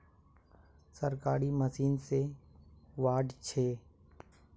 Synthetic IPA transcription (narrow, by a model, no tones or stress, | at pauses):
səɾkaːɾiməsiːnse | ʋaːɖt͡ʃʰeː